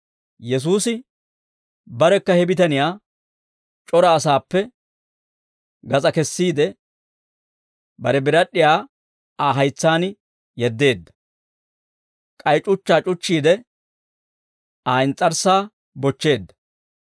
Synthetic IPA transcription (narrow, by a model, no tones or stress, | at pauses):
jɛs̬uːsɪ | bɐɾɛkːɐhɛbɪt̪ɐnɪjaː | t͡ʃʼɔɾɐːsaːpːɛ | ɡɐt͡sʼɐkɛsːiːd̪ɛ | bɐɾɛbɪɾɐɗːɪjaː | aːɦɐjt͡sːaːn | jɛd̪ːe̞ːd̪ːɐ̥ | kʼɐjt͡ʃʼʊt͡ʃːaːt͡ʃʼʊt͡ʃːiːd̪ɛ | aːɪnt͡sʼɐɾsaː | bɔt͡ʃːe̞ːd̪ːɐ̥